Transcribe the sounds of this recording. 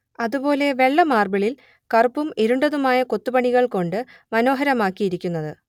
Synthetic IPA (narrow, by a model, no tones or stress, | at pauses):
ɐðubo̞ːle̞ʋe̞ɭːɐmaːrbɐɭil | kɐrupːumeɾuɳɖɐðumaːjɐko̞t̪ːupɐɳiɣɐɭko̞ɳɖɨ | mɐno̞ːɦɐɾɐmaːkːijiɾikʲːunːɐðɨ